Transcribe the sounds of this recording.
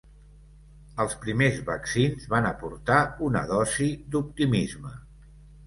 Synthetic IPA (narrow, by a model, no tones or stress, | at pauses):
əlˠspɾimezβəksinzβanəpuɾt̪aunə̰ðɔzid̪up̚t̪imizmə